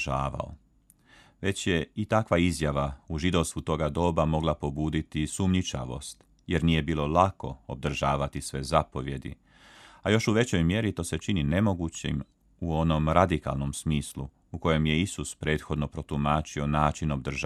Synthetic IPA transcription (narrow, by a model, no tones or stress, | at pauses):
aːʋa̰o̰ | ʋe̞t͡ɕje̞it̪akʋaizjaʋauʒid̪o̞ʋst̪ut̪o̞ɡad̪o̞ːbamo̞ɡlˠapo̞buːd̪it̪isumɲit͡ʃa̰ʋo̞̰st̪ | jeɾniːje̞biːlˠo̞lako̞ob̚d̪r̩ʒaːʋat̪isʋe̞zapo̞ʋje̞d̪ḭ | ajo̞ʃuʋe̞t͡ɕo̞jmje̞ɾit̪o̞ːse̞t͡ʃinine̞mo̞ɡut͡ɕḭm | uo̞no̞mɾad̪ika̰lˠno̞msmiːslu | uko̞je̞mje̞isuspɾe̞ːt̪xo̞d̪no̞pɾo̞t̪umaːt͡ʃio̞naːt͡ʃino̞b̚d̪rʒ